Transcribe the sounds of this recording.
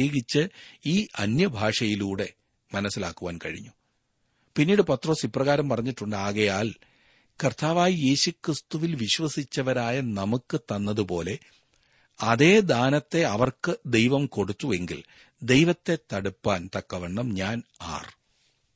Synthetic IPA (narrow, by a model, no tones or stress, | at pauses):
eːɡit͡ɕːɨiːʔɐnjɐbʱaːʂɐjiluːɽe̞ | mɐnɐsːila̰ːkːuʋaːnkɐɻḭɲːu | pinːiːɽɨpɐt̪ro̞ːsipːrɐɣaːɾɐmpɐrɐɲːiʈːuɳɖɨaːɣɐjaːl | kɐrt̪ʰaːʋaːjie̞ːɕukrɨst̪uʋilʋiɕʋɐsit͡ɕːɐʋɐɾaːjɐnɐmukːɨt̪ɐnːɐðupo̞ːle̞ | ɐðe̞ːd̪aːnɐt̪ːe̞ɐʋɐrkɨd̪e̞jʋɐmko̞ɽut̪ːue̞ŋɡḭl | d̪e̞jʋɐt̪ːe̞t̪ːɐɽupːaːnt̪ɐkːɐʋeɳːɐmɲaːna̰ːr